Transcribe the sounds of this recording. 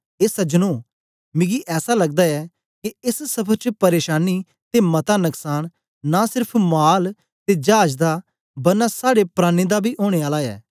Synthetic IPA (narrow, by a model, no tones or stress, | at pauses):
esəd͡ʒənoː | mɪ̃ɡiʔɛːsalɐɡd̪aɛː | kiɪssɐpʰəɾt͡ʃəpɐɾeːʃaːni | t̪emɐt̪anəksaːɽ̃ | nasɪɾpʰmaːl | t̪ed͡ʒaːd͡ʒd̪a | bɐɾnasaːɽepɾaːned̪abʱiːʔoːɽ̃eːaːlaɛ̰ː